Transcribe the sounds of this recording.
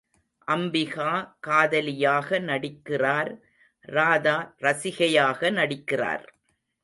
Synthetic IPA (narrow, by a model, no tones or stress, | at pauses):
ʔɐmbɪɣaːkaːðɐlɪjaːɣɐnɐɽɪkːɪraːɾ | ɾaːðaːɾɐsɪɣɐjaːɣɐnɐɽɪkːɪra̰ːɾ